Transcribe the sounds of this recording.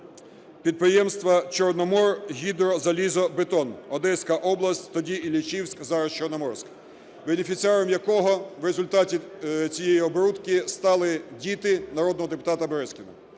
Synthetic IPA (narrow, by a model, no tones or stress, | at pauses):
pʲid̪̚pɾɪjɛmst̪ʋɐt͡ʃɔrnɔmɔrɦʲid̪ɾɔzɐlʲizɔbet̪ɔnɔd̪ɛsʲkɐʔɔblˠɐsʲtʲt̪ɔdʲiilʲit͡ʃiwsʲkzɑɾɐst͡ʃɔrnɔmɔrsʲk | benʲefʲit̪sʲɪɑɾɔmjɐkɔɦɔʋɾezʊlʲt̪ɑtʲit͡sʲijɛjiɔbɾut̪kɪst̪ɑlˠɪdʲit̪ɪnɐɾɔd̪nɔɦɔd̪epʊ̥t̪ɑt̪ɐbɾɛsʲkʲɪnɐ̰